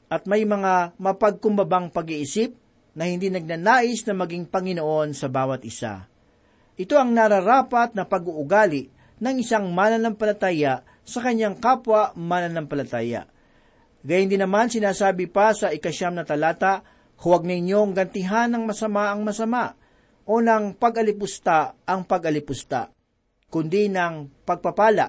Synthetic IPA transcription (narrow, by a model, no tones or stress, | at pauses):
ʔɐt̪̚mɐjmɐŋamɐpɐɡ̚kʊmbɐbaŋpɐɡiʔɪsip̚ | nɐhɪnd̪inɐɡ̚naːnaːʔɪsnɐmɐɡiŋpɐŋɪnoʔo̞nsɐbaːwɐt̪ʔɪsa̰ | ʔɪt̪o̞ʔɐŋnaɾɐɾaːpɐt̪̚nɐpɐɡuʔʊɡaːlɪʔ | nɐŋɪsaŋmaːnɐnɐmpɐlɐt̪aːjɐ | sɐkɐɲːaŋkaːpwɐʔmaːnɐnɐmpɐlɐt̪aːjɐ̰ʔ | ɡajʊnd̪ɪnːɐmansɪnaːsaːbɪpasɐɪkɐʃamnɐt̪ɐlaːt̪a | hʊwaɡ̚nɐɪɲoŋɡɐnt̪ɪɦanːɐŋmɐsɐmaʔɐŋmɐsɐmaʔ | ʔo̞nɐŋpɐɡʔɐlɪpʊst̪aʔɐŋpɐɡʔɐlɪpʊst̪a̰ | kʊnd̪inɐŋpɐɡ̚pɐpaːla̰